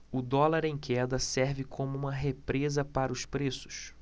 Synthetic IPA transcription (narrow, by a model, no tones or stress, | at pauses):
ʊd̪ɔlaɾẽj̃kʰɛd̪ɐsɛɾvɪkʰõmʊũmɐɦepɾezɐpaɾɐʊspɾesʊ̥s